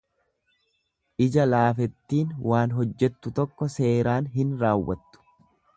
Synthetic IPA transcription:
ʔɪd͡ʒɐlaːfɛt̪ːiːnwaːnɦɔd͡ʒːɛt̪ːʊt̪ɔkːɔse̞ːɾaːnɦɪnɾaːwːɐt̪ːʊ̥

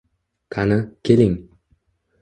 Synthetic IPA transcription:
k̪ʰanɪkʲʰelɪŋ

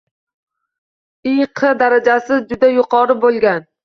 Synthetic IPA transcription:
ɪjqʰɨd̪aɾad͡ʒasɪd͡ʒʊd̪ajʊqʰɒɾɪbolˠɡʲan

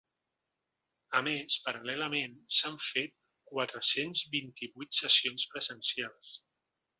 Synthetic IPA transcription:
əmespəɾəlɛləmensaɱfet̪̚ | kwat̪ɾəsenzβint̪iβujt̪səsionspɾəzənsialˠs

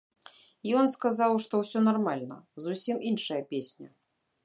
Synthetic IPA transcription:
jɔnskazawʂt̪ɔwsʲɔnarmalʲnɐzusʲimʔinʂɐjɐpʲesʲnʲɐ

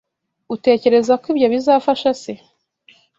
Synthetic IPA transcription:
ute̞ːce̞ɾe̞zakwiːbɟo̞βizaːfaʃase

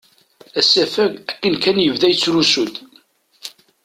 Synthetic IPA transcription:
æsːæfæʝækːənkænjəvðæjət͡sːɾusud̪

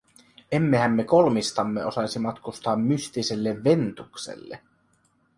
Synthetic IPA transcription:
e̞mːehæmːe̞ko̞lmist̪ɑmːeo̞sɑjsimɑt̪kust̪ɑːmːyst̪iselːeʋʋe̞nt̪uksḛlːḛ

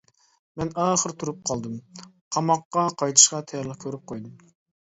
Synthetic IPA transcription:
mɛnɑːχəɾt̪ʰuɾup̚qʰɑlˠd̪ɨm | qʰɑmɑqːɑqʰɑjt̪ʰɨ̥ʃqɑt̪ʰɑjɑɾlˠəq̚kʲʰøɾyp̚qʰojd̪ɨm

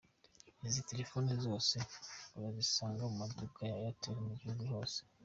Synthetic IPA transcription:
nizite̞ɾe̞fo̞ːnizo̞ːse̞uβazisaːŋɡamumadukajajateːɾemuɟihuɡuho̞ːse̥

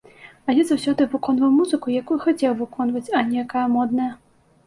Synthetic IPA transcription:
alʲɛzawsʲɔd̪ɨvɨkɔnvɐwmuzɨkujakujxat͡sʲɛwvɨkɔnvɐt͡sʲɐnʲɛjakajɐmɔd̪nɐjɐ

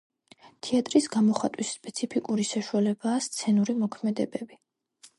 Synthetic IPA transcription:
t̪ʰiat̪ʼɾisɡamɔχat̪ʼwisːpʼɛt̪sʰipʰikʼuɾisaʃualɛbaːst̪sʰɛnuɾimɔkʰmɛd̪ɛbɛbi

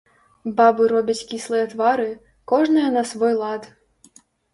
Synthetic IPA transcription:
babɨɾɔbʲit͡sʲkʲislˠɨjɛt̪vaɾɨ | kɔʐnɨjɐnɐsvɔjlˠat̪

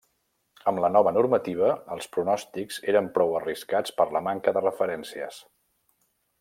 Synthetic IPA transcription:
əmlənɔβənuɾmət̪iβ̞əːlˠspɾunɔst̪ikz̥eɾəmpɾɔwəriskat͡spəɾləmaŋkəðərəfəɾɛnsiə̰s

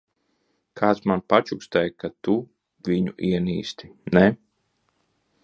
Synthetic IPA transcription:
kʰaːt̪smanpat͡ʃukst̪ɛjkat̪u | vʲiɲuʔiɛnḭːst̪i̥nɛ

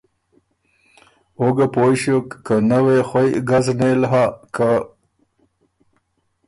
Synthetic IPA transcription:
oɡapoʃokːənawexwajɡaznelɦakʰa

